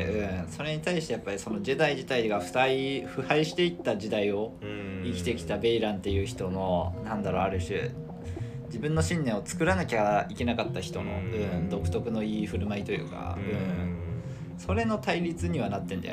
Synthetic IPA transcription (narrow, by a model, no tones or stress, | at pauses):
ɯ̟̃ɴso̞ɾe̞ɲ̟it̪aiɕi̥t̪e̞japːaɾʲiso̞no̞ʑid̪aiʑit̪aiɡaɸɯ̟̥t̪aiɸɯ̟haiɕi̥t̪e̞it̪ːaʑid̪aio̞ikʲi̥t̪e̞kʲi̥t̪abe̞iɾãnt̪ːe̞jɯ̟ːçi̥t̪o̞no̞nãnd̪aɾo̞aɾɯ̟ɕi | d͡ʑibɯ̃nːo̞ɕĩnːẽ̞ɰ̃o̞t͡sɨ̥kɯ̟ɾanakʲaike̞nakat̪ːaçi̥t̪o̞no̞̰ɯ̟̃d̪o̞kɯ̟̥t̪o̞kɯ̟no̞iːɸɯ̟ɾɯ̟mait̪o̞jɯ̟̰ːka̰ɯ̟̃ɴ | so̞ɾe̞no̞t̪aiɾʲit͡sɨɲ̟iβ̞anat̪ːend̪a̰